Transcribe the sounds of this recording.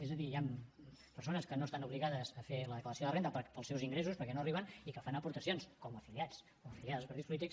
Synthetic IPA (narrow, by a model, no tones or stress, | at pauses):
ezəðijampəɾsonəskənost̪anuβliɣaðəzəfeləðəkləɾəsjoðərent̪əpəpəlˠsɛwziŋɡɾesuspəɾkɛnoəriβ̞ənikəfanəpuɾt̪əsionskɔməfiliat͡s | koməfiliaðzˠpəɾt̪ispulit̪iks